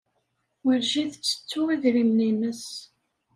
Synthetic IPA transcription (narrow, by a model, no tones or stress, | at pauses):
wəɾʒiðət͡sːə̥t͡sːʊiðɾimlinəs